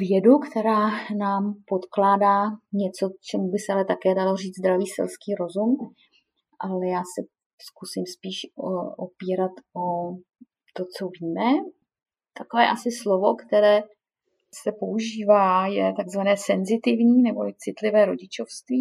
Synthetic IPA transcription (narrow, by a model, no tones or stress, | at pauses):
vjɛdukt̪ɛɾaːnaːmpo̞t̪klaːdaːɲɛt͡so̞t͡ʃɛmubɪsɛʔalɛt̪akɛːdalo̞riːd͡zd̪ɾaviːsɪ̰lskiːɾo̞zum | ʔalɛjaːsɛ | skusɪmspiːʃoʔopiːɾat̪ʔo | t̪o̞t͡so̞viːmɛ | t̪akovɛːʔasɪslovo̞kt̪ɛɾɛː | sɛpo̞ʔuʒiːvaːjɛt̪aɡzvanɛːsɛnzɪt̪ɪvɲiːnɛbot͡sɪt̪lɪvɛːɾo̞ɟɪt͡ʃofst̪viː